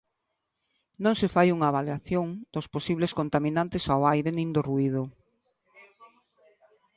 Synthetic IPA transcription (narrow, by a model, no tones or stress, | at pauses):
nõŋsɪfajuŋaβaljaθjoŋd̪̥osposiβleskont̪amĩnant̪ɪsawajɾenĩnd̪oruið̞ʊ